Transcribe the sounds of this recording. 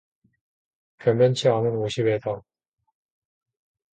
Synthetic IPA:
pjʌmjʌnt͡ɕʰianɯnoɕʰibeda

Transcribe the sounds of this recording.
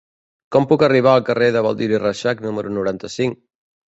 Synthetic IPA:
kɔmpukəriβ̞aəlˠkəreðəβəlˠd̪iɾirəʃaknuməɾunuɾant̪əsiŋk

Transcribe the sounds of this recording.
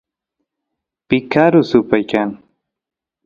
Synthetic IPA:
pɪkʰaɾʊsʊpajkaŋ

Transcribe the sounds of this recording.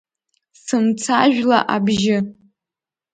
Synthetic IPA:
sɨmt͡sʰaʒᶣla̰ʔabʒɪ

